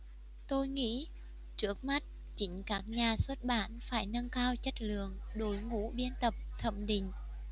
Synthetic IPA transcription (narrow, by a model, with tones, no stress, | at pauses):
t̪o˧jŋḭ˧˥ | t͡ɕɨ˦˥ək̚ma˦˥t̚ | t͡ɕï˨˦ŋ̟kaː˦˥k̚ɲaː˨˩swə˦˥t̚ɓaː˧˩nfaː˧˩jna˧ŋkaː˧wt͡ɕə˦˥t̚lɨ̰˧˨əŋɗo˨˦jŋṵ˧˥ɓi˧ənt̪ə˨˩p̚t̪ʰə̰˧˩mɗï˨˩ŋ̟